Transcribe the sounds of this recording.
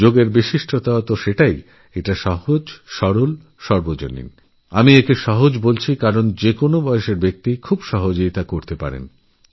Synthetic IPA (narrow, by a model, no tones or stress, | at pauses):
d͡ʑoɡeɾbiʃiʃʈʰot̪at̪oʃeʈaj | eʈaʃɔɦod͡ʑʃɔɾol | ʃɔɾbod͡ʑo̰nḭn | amiekeʃɔɦod͡ʑbolt͡ɕʰikaɾond͡ʑekonobɔeʃeɾbek̚t̪ikʰubʃɔɦod͡ʑojt̪akoɾt̪epa̰ɾḛn